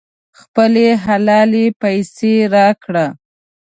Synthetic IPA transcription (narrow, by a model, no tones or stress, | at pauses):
xpəleɦalɑlepajseɾɑkɽa